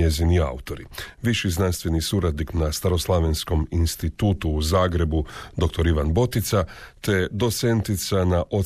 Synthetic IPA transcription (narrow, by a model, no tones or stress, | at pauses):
ezinia̰ut̪o̞ɾiʋiʃiznanst̪ʋe̞nisuɾad̪niknast̪aɾo̞slˠaʋensko̞minst̪it̪uːt̪uːzaːɡɾe̞bud̪o̞k̚t̪o̞ɾiʋanbo̞t̪it̪sat̪e̞d̪o̞t̪se̞nt̪it̪sanaʔo